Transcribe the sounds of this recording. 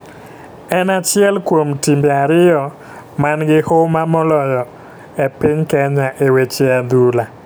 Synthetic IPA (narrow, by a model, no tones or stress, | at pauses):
ɛnat͡ʃɪɛlkwomtimbeaɾɪjɔ | manɡɪhomamɔlɔjɔ | epɪɲkɛɲaʔewet͡ʃead̪ula